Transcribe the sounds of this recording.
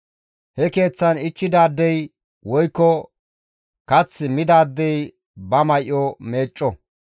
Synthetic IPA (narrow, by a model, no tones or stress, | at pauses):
hɛke̞ːt͡sːɐnɪt͡ʃːɪd̪aːd̪ːɛj | wɔjkːɔ | kɐt͡sːɪmɪd̪aːd̪ːɛj | bɐmɐjʔɔme̞ːt͡ʃʼːɔ